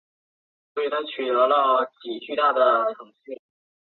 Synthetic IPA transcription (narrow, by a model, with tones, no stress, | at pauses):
y˧˩nʰə˧˥t͡ɕʰy˨˩ɤ˧˥lə˥˩t͡ɕi˨˩t͡ɕy˥˧t̪a˥˩d̪ə˩ʈ͡ʂʰɤ˧˥ŋɕi˥˩